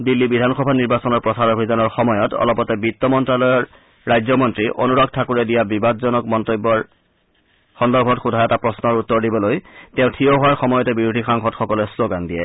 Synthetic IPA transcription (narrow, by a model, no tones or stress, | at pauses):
dilːibidʱanxɔbʱaniɹbasɔnɔɹpɹɔsaɹobʱizanɔɹxɔmɔjɔtɔ̰lɔpɔtɛbitːɔmɔntɹalɔjɔɹː | ajzɔmɔntɹiʔo̰nuɹɔɡ̚tʰakuɹɛdijabibadzɔnɔkmɔntobːɔɹ | xɔndɔɹbʱɔtxudʱajɔtapɹɔsnɔɹutːɔɹdibɔlojteʊ̃tʰijɔɦʊwaɹxɔmɔjɔtɛbiɹudʱixaŋxɔtxɔkɔlɛsloɡandijɛ̰